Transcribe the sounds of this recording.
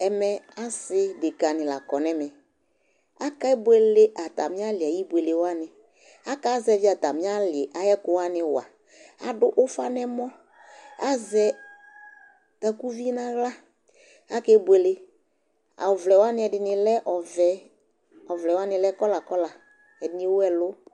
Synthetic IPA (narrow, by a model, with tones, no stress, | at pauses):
ɛ˨mɛ˨a˦sɪ˦dɪ˨ka˨nɪ̃˨la˨kɔ˨nɛ˨mɛ˨ | a˦ka˦ɛ˦bwe˦le˦ʔa˨ta̰˨mɪ̃˦a˦lɪ˨a˨ji˦bʷe˨le˨wa˦nɪ̃˨ | a˦ka˦zɛ˨˦vi˦a˨ta˨mɪ̃˦a˦lɪ˨ʔa˨jɛ˦kʊ˨wa˦nɪ˨wa̰˨ | a˨dʊ˦ʔʊ˦fa˦nɛ˦mɔ˦ | a˦zɛ˨ | t̪a˨ku˦vi˦nã˦ɣla˦ | a˦kɛ˦be˨le˦ | a̰˨ʊ˨vlɛ˨wa˦nɪ˦ɛ˨dɪ˨nɪ˨lɛ˦ʔɔ˨vɛ˨ | ɔ˨vlɛ˨wa˦nɪ˨lɛ˦kɔ˦la˨kɔ˦la˨ | ɛ˨dɪ˨˦nɪ̃˦wʊ˦ɛ˦lʊ˦